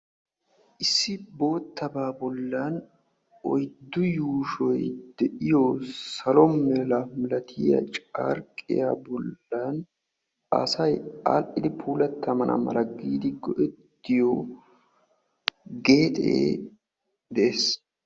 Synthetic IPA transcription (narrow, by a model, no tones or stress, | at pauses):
ʔɪsːɪbo̞ːt̪ːɐbaːbɔlːɐn | ʔɔ̰jd̪ːʊjuːʃɔjd̪̥ɛʔɪjɔsɐlɔmɛlɐmɪlɐt̪ʰɪjɐ̰t͡ʃʼa̰ːɾkʼːɪ̰ja̰bɔlːɐn | ɐ̰sɐja̰ːlʔɪd̪ɪpʰuːlɐt̪ːɐmɐnʔɐ̰mɐ̰ɾɐɡːiːd̪ɪɡɔʔɛt̪ːɪjɔ | ɡe̞ːt̪ʼḛː | d̪ɛʔeːs